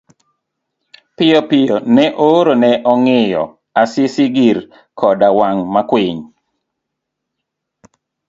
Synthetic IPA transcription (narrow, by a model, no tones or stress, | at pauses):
pɪjɔpɪjonɛʔoɾonɛʔɔŋɪjɔ̰ | asɪsiɡiɾ | kʰɔdawaŋmakwɪɲ